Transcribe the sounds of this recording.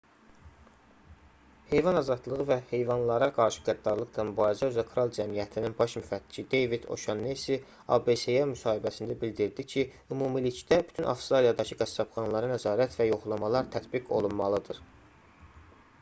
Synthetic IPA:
he̞jvɑnɑzɑd̪lˠɯʁɯvæhe̞jvɑnlˠɑɾɑɡɑɾʃɯ̥ɡæd̪ːɑɾlˠɯqlˠɑmybɑːɾizæøzɑkʰɾolˠd͡ʒæmijæt̪ʰininbɑʃmyfæt̪ːi̥t͡ʃʰid̪e̞jvid̪o̞̰ʃɑnːesi | ɑ̰be̞sejemysɑːhibæsind̪æbild̪iɾd̪icʰi | ymuːmilit͡ʃʰd̪æby̥t̪ʰynʔɑ̰fst̪ɾɑlijɑd̪ɑcʰɯɡæsːɑpχɑnlˠɑɾɑnæzɑːɾæt̪væjo̞χlˠɑmɑlˠɑɾt̪ʰæt̪biɡo̞̰lˠunmɑlˠɯd̪ɯɾ

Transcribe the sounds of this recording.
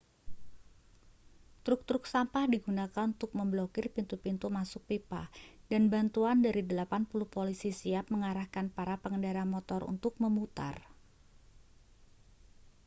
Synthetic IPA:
t̪ɾʊk̚t̪ɾʊk̚sampahdiɡunakanunt̪ʊk̚məmblokɪrpint̪upint̪umasʊk̚pipa̰hdanbant̪uandaɾidəlapanpulʊhpolisisiap̚məŋaɾahkanpaɾapəŋəndaɾamɔt̪ɔrṵnt̪ʊk̚məmut̪a̰r

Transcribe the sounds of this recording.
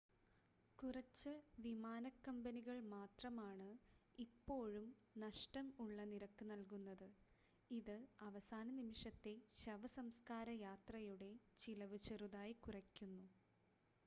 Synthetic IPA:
kurɐt͡ɕːɨʋimaːnɐkːɐmbɐniɣɐɭmaːt̪rɐmaːɳɨipːo̞ːɻumnɐʂʈɐmuɭːɐniɾɐkːɨnɐlkunːɐðɨ | iðɨɐʋɐsaːnɐnimiʂɐt̪ːe̞ɕɐʋɐsɐmskaːɾɐjaːt̪rɐjuɽe̞t͡ɕilɐʋɨt͡ɕeruðaːjikurɐkʲːunːu

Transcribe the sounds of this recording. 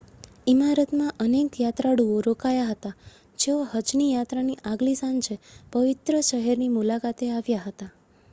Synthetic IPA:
imaɾət̪mãʔənekjat̪ɾaɽuoɾokajaɦət̪a | d͡ʒeoɦəd͡ʒnijat̪ɾaniʔaɡlisãnd͡ʒepəʋɪt̪ɾəʃəɦɛɾnimulakat̪eaʋjaɦət̪a

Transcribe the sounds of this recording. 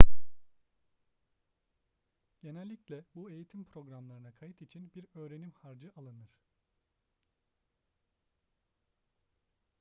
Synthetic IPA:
ɟ̥e̞nælʲːiclʲɛbue̞jit̪ʰimpɾo̞ɡɾamlˠaɾɯnakʰajɯt̪it͡ʃʰinbiɾø̞ːɾe̞nimhaɾd͡ʒɯʔalˠɯnɯɾ̥

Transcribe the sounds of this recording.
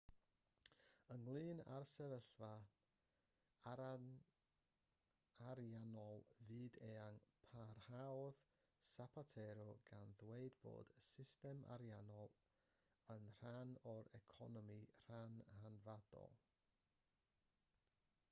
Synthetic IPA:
əŋlˠɨːna̰rsɛvəɬva | aɾjanɔlˠvɨːdeːaŋpʰarhawð | sapʰatʰɛɾɔɡanðweɨdbo̰ːd̥sɪstɛmʔa̰ɾjanɔlˠ | ənr̥anɔɾɛkʰɔ̰nɔmir̥anhanvad̥ɔ̰lˠ

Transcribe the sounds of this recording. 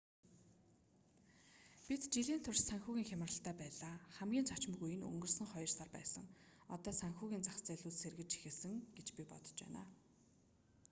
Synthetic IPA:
pit̪t͡ɕiɮiːn̥t̪ʰʊrt͡ɕsæŋxuːɣʲiːŋxʲamə̆rə̆ɬt̪ʰæːpæːɮaːχæmɡʲiːnt͡sʰɔt͡ɕmɵ̆ɣujɘ̆nɵ̰ŋɡɵ̆rsə̆ŋχɔjɞ̆rsarpæ̰ːsə̆ŋɔt̪ɔːsæŋxuːɣʲiːnt͡saχt͡sæɮuːɮserɣɘ̆t͡ɕt͡ɕʰi̥xeːsɘ̆ŋɡet͡ɕpʲipɔ̰t̪ɞ̥̆t͡ɕpæ̰ːna̰ː

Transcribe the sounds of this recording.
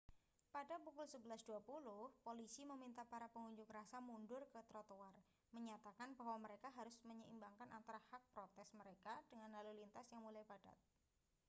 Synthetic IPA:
padapukʊlsəbəlasduapulʊhpolisiməmint̪apaɾapəŋuɲd͡ʒʊkɾasamundʊrkət̪ɾot̪owar | məɲat̪akanbaɦwaməɾekaɦaɾʊsməɲəḭmbaŋkanʔa̰nt̪aɾahak̚pɾot̪ɛsməɾekad̥əŋanlalulint̪asjaŋmulajbada̰t̪̚

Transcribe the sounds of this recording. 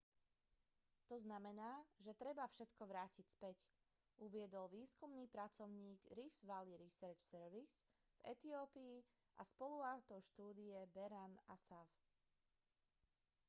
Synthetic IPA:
t̪ɔznamɛnaːʒɛt̪ɾɛbafʃɛt̪kɔʋɾaːcicspɛc | uʋɪɛd̪ɔlʋiːskumniːpɾat͡sɔʊɲiːɡɾifʋaliɾisɛɾt͡ʃsɛɾʋis | vɛ̰t̪iɔːpiː | ʔa̰spɔluat̪ɔʊʃt̪uːd̪iɛbɛɾanasaf

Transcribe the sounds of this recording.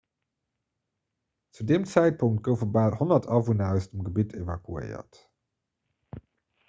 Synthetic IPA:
tudɪmt͡sɛjt̚pʊŋt̚ɡowvəbaːlɦɔndətɑvunaɹstəmɡəbitʰevakyḛːə̰t

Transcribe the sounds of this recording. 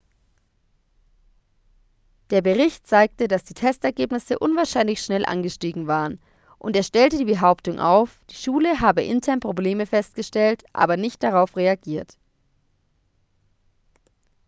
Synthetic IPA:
d̥eːɐbəʁɪçtt͡saɪk̚tədasd̥iːtʰɛstɛɐɡeːpnɪsəʔʊnvaːɐʃaɪnlɪçʃnɛlʔa̰nɡəʃtiːɡŋ̩vaːʁən | ʔʊnteːɐʃtɛltədiːbəɦaʊptʊŋʔa̰ʊfd̥iːʃuːləɦaːbəʔɪntʰɛɐnpʁ̥obleːməfɛst̚ɡ̥əʃtɛltʔa̰ːbɐnɪçt̚d̥aʁ̞aʊfʁeaɡiːɐt

